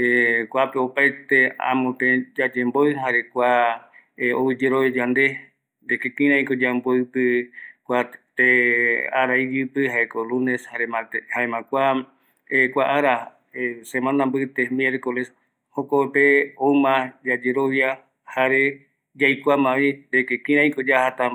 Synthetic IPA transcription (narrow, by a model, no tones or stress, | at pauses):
ekʷapeopajt̪eã̰mõpẽd͡ʒad͡ʒemboɨɦaɾekʷa | o̰wɨd͡ʒeɾoβjad͡ʒand̪e̞ | d̪ekekĩɾ̃ãĩkod͡ʒamboɨpɨkʷat̪ea̰ɾaid͡ʒɨpɨɦaekoluneshaɾemãt̪ehaemãkʷa | ekʷaʔaɾa | semãnambɨt̪emjeɾkoles | hokopeomãd͡ʒad͡ʒeɾoβja | haɾe | d͡ʒajkʷamãβind̪ekekĩɾãĩkod͡ʒahat̪a